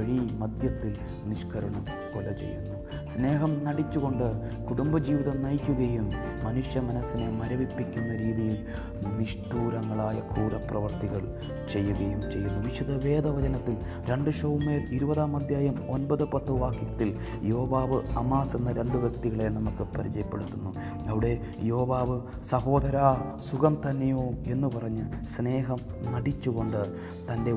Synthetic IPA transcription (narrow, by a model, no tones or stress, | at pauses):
ɐɻimɐd̪ʱjɐt̪ːil | niʂkʰɐɾɐɳɐm | kolɐt͡ɕḛjːṵnːu | sne̞ːɦɐmnɐɽit͡ɕːuɣo̞ɳɖɨ | kuɽumbɐd͡ʑiːʋiðɐnɐjkʲːuɣɐjumː | ɐnuʂjɐmɐnɐsːine̞mɐɾɐʋipːikʲːunːɐɾiːðijil | niʂʈuːɾɐŋːɐɭaːjɐkuːɾɐprɐʋɐrt̪iɣɐɭ | t͡ɕe̞jːuɣɐjumt͡ɕe̞jːunːuʋiʂɐd̪ɐʋe̞ːd̪ɐʋɐd͡ʑɐnɐt̪ːil | ɾe̞ɳɖɨʂɐʋumːeːliɾubɐðaːmɐd̪ʱjaːjɐmo̞nbɐðɨpɐt̪ːoʋaːkːiɾɐt̪ːil | jo̞ːʋaːʋɨɐmaːsenːɐɾe̞ɳɖɨʋjɐk̚t̪iɣɐɭenɐmukːɨpɐɾit͡ɕɐjɐpːe̞̰ɽut̪ːunːu | ɐʋiɽe̞ | jo̞ːʋaːʋɨ | sɐɦo̞ːd̪ɐɾaːsuɣɐmt̪ɐnːejoːe̞nːupɐrɐɲːɨsne̞ːɦɐmnɐɽit͡ɕːuɣo̞ɳɖɨ | t̪ɐnde̞